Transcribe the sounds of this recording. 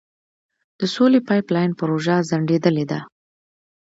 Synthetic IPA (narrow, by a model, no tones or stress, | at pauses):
d̪̥əsolepɑjplɑjnpəɾoʒazaɳɖed̪əled̪a